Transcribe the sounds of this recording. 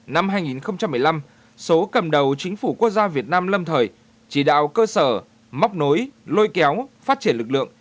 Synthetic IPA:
na˧mɦaː˧jŋi˨˩nxə˧wŋ͡mt͡ɕa˧mːɨ˨˩əjla˧m | so˨˦kə˨˩mɗə˨˩wt͡ɕï˨˦ŋ̟fu˧˩ku˦˥ək̚zaː˧vi˨˩ət̚naː˧mlə˧mt̪ʰəː˨˩j | t͡ɕi˧˩ɗa̰ː˧˨wkəː˧səː˧˩ | ma˦˥wk͡p̚no˨˦jlo˧jkɛ˨˦wfaː˦˥t̚t͡ɕi˧˩ənlɨ˨˩k̚lɨ̰˧˨əŋ

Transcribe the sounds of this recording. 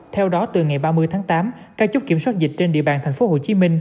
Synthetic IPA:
t̪ʰɛ˧wɗɔ˨˦t̪ɨ˨˩ŋa˨˩jɓaː˧mɨ˧əjt̪ʰaː˨˦ŋt̪aː˨˦mkaː˧k̚t͡ɕʊ˦˥k͡p̚ki˧˩əswaː˦˥t̚zï˨˩k̟̚t͡ɕe˧nɗḭ˧əɓaː˨˩nt̪ʰŋ̟fo˨˦ɦo˨˩t͡ɕi˨˦mï˧ŋ̟

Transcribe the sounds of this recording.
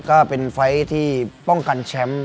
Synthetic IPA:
kɔː˥˩pe˧nfa˦˥jt̪ʰiː˥˩pɔ˥˩ŋka˧nt͡ɕʰɛ˦˥m

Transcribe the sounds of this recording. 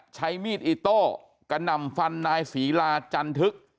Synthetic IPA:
t͡ɕʰa˦˥jmiː˥˩t̪̚ʔiː˧˩t̪ɔː˧˥˩ | ka˧˩na˧˩mfa˧nːaː˧jsiː˩˦laː˧t͡ɕa˧nt̪ʰɯ˦˥k̚

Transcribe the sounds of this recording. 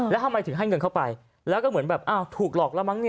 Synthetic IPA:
lːɛ˨˦˥wɦa˧wma˨˩t̪ʰɨ˩˦ɦaː˧˩jŋɨ˨˩nkʰːwpa˨˩j | lɛː˨˦˥wkɔː˧˩mɨ˧˦ənbɛː˨˩p̚ʔaː˧˩wt̪ʰuː˨˩k̚lɔː˨˩k̚laː˧˥˩ma˧˥ŋi˧

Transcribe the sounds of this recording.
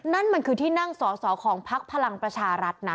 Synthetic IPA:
na˥˩nma˧nkʰɯː˧t̪ʰiː˥˩na˥˩ŋsɔː˩˦sɔː˩˦kʰɔː˩˦ŋpʰa˦˥k̚pʰa˧la˧ŋpɾa˧t͡ɕʰaː˧ɾa˦˥t̪̚na˦˥

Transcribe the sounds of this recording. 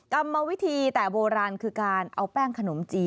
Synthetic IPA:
ka˧mːa˧wi˦˥t̪ʰiː˧t̪ɛː˨˩boː˧ɾaː˧nkʰɯː˧kaː˧nʔa˧wpɛː˥˩ŋkʰa˧no˩˦mt͡ɕiː˧

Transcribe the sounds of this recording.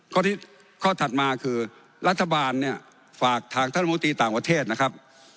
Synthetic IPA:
kʰɔː˥˩iː˥˩ | kʰɔː˥˩t̪ʰa˨˩t̪̚maː˧kʰɯː˧ | ɾa˦˥t̪ʰːa˧baː˧nːi˥˩ɐ | faː˨˩k̚t̪ʰaː˧ŋt̪ʰa˥˨˧o˧˦nt̪ɾiː˧t̪aː˨˩ŋpɾa˧t̪ʰeː˥˩t̪̚na˦˥kʰa˦˥p̚

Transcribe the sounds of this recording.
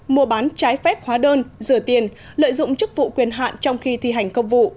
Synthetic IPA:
mu˧əɓaː˨˦nt͡ɕaː˨˦jfɛ˦˥p̚hwaː˨˦ɗəː˧nzɨ˨˩t̪i˨˩ən | lə̰ː˧˨jzʊ̰˧˨ŋ͡mt͡ɕɨ˦˥k̚vṵ˧˨kwi˨˩ənɦa̰ː˧˨nt͡ɕɔ˧wŋ͡mxi˧t̪ʰi˧˨˩ɦa˨˩jŋ̟kə˧wŋ͡mvṵ˧˨

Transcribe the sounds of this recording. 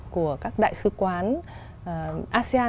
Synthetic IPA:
ku˧˩əkaː˦˥k̚ɗa̰ː˧˨jsɨ˨˧˦kwaː˨˦n˨˩ | ʔaː˧si˧aː˧

